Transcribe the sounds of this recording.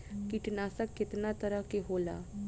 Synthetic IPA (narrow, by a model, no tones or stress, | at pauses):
kiʈnaːsəkːɪt̪nat̪əɾəkeɦoːla̰ː